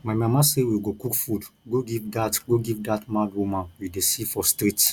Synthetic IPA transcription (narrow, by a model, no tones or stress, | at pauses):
maɪmãmãsewiɡokukfudɡoɡivdatɡoɡivdatmadwumãnwidesifɔstɾit